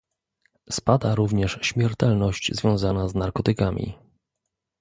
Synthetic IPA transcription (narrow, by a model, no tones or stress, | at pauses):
spad̪aɾuvɲɛʂɕmʲjɛɾt̪ɛlnɔɕt͡ɕzvʲjɔ̃w̃zanaznaɾkɔt̪ɘkamʲḭ